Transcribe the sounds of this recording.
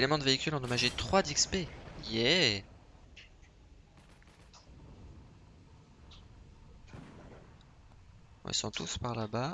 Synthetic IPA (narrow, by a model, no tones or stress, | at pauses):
elemɑ̃d̪əveikʲylɑ̃d̪ɔmaʒet̪χwad̪ikspejɛ | ɔ̰̃ḭlsɔ̃t̪ʰuspaʁlaba